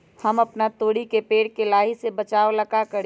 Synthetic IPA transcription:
həmɐpnat̪oːɽikepeːɽkelaːɦisebət͡ʃaːoləkakəɾ

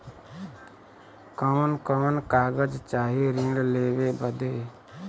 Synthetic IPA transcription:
kəmənkəmənkaːɡəd͡ʒt͡ʃaːɦiɾĩɽleːwebəd̪e

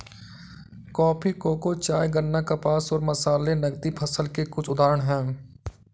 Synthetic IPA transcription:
kɔːpʰikoːkot͡ʃaːjɡənːakəpaːsɔːɾməsaːlenəɡd̪ipʰəsəlkekʊt͡ʃʰʊd̪aːɾəɳ̃ɦɛ̃ː

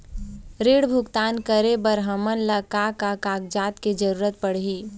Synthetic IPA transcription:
ɾeːɽbʱʊɡt̪aːnkəɾebəɾɦəmənlɐkaːkakaːk̚d͡ʒaːt̪ked͡ʒɐɾuːɾət̪̚pəɽ̤ɦiː

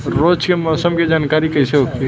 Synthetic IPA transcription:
ɾot͡ʃkemɔsəmked͡ʒankaɾikəiseoke

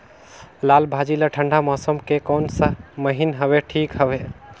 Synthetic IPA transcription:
lalbʱad͡ʒiləʈʰəɳɖʱamɔsəmkekɔnsəməɦinɦəbeʈʰikɦəbe

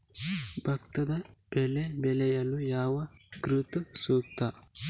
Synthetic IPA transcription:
bʱɐkt̪ɐd̪ɐb̥ɛlebɛlɛjɐlːujaːʋɐɡɾut̪ɐsuːkt̪ɐ

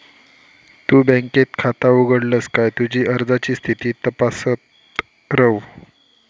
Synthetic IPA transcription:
t̪uːbə̃ŋket̪kʰat̪auɡəɽləskajt̪ud͡ʑiːʔəɾd͡zat͡ɕiːst̪ʰit̪iːt̪əpasət̪ | ɾəw

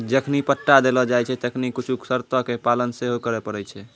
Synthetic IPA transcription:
d͡ʒəkʰnipəʈːad̪elɔd͡ʒajt͡ʃʰɛt̪əkʰnikit͡ʃʰuksəɾt̪əkepalənseɦokəɾɛpəɾɛjt͡ʃʰɛ

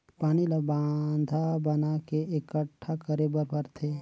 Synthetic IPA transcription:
paːnilabaːnd̪ʱabɐnakeekəʈʰːakəɾebəɾpɐɾt̪ʰe

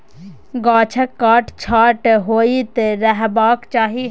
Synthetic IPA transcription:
ɡaːt͡ʃʰəkːaːʈt͡ʃʰaːʈɦoːit̪ɾɛɦbaːkt͡ʃaːɦi

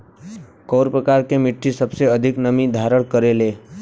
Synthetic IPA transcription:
koːɾpɾəkaːɾkemɪʈʰːisəbseəd̪ʱɪknəmid̪ʱaːɾəɽ̃kəɾeleː

